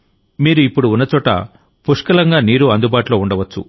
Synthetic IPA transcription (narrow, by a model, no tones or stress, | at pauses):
miːɾuipːuɽuːnːɐt͡ʃɔːʈɐ̰ | puʂkɐlɐŋɡaːniːɾuɐnd̪ubaːʈuloːuɳɖɐʋɐt͡ʃːṵ